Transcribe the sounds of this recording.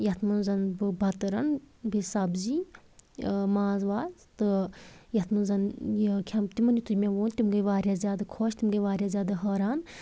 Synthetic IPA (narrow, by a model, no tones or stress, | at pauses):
jɐt̪ʰmɐnzɐnbɨbʱɐt̪ɐɾɐn | bisɐbzi | maːzʋaːzt̪ɨjɐt̪ʰmɐnzɐnjikʰɐmt̪imɐnjut̪umʲẽʋoːnt̪imɡɐjʋaːɾʲjaːzʲjaːd̪akʰoːʃt̪imɡɐʋaːɾʲjaːzjaːd̪aɦɐːɾaːn